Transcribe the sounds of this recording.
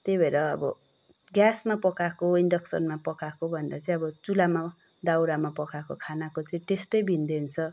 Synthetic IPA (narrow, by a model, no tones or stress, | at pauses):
t̪ebʱeɾʌʌbʌ̰ | ɡjasmapʌkakoiɳɖʌksʌ̰nmapʌkakobʱʌnd̪at͡sʌĩʌbʌt͡sulama | d̪awɾamapʌkakokʰanakot͡sʌĩʈesʈʌjbʱind̪eunt͡sʰʌ